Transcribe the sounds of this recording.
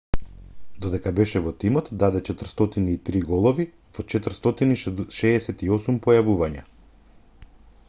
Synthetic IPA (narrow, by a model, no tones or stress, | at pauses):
d̪ɔd̪ɛkabɛʃɛvɔt̪imɔt̪d̪ad̪ɛt͡ʃɛt̪r̩st̪ɔt̪iniːt̪ɾiɡɔlˠɔvi | vɔt͡ʃɛt̪r̩st̪ɔt̪iniʃɛːsɛt̪iɔsumpɔjavuvaɲa̰